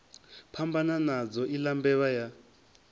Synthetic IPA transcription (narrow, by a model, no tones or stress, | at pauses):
pʰambananad͡zɔilambɛβaja